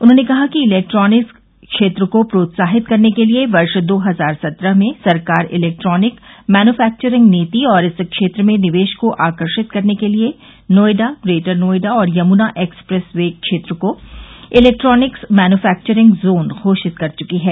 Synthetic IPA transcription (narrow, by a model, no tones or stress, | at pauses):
ʊnɦõnekɐɦakiɪlɛːk̚ʈɾɔːnɪks | ʃeːt̪ɾəkopɾoːt̪saːɦɪt̪kɐɾnekelieʋɐɾʃd̪oːɦɐzaːɾsɐt̪ɾəɦmẽsɐɾkaːɾɪ̰lɛːk̚ʈɾɔːnɪkmɛːnuːfɛːk̚t͡ʃəɾɪ̃ŋɡneːt̪iɔːɾɪskʃeːt̪ɾəmẽnɪʋeːʃkoʔaːkəɾʃɪt̪kɐɾnekelie | noːjɖaɾeːʈəɾnoːɪɖaɔːɾjɐmuːnaʔeːkspɾɛsʋeːɡ̚kʃeːt̪ɾəkoɪlɛːk̚ʈɾɔːnɪksmɛːnufɛːk̚t͡ʃəɾɪ̃ŋɡzoːnɣʰʱoːʃɪt̪kɐɾt͡ʃʊkiɦɛː